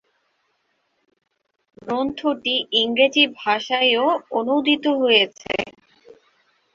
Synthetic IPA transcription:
ɡɾont̪ʰoʈiʔiŋɡɾed͡ʑibʱaʃaeoonod̪ʱit̪oɦojet͡ɕʰḛ

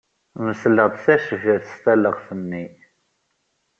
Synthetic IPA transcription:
məsləʁd̪sæʃəfəɾθə̥st̪æləʁθənːi

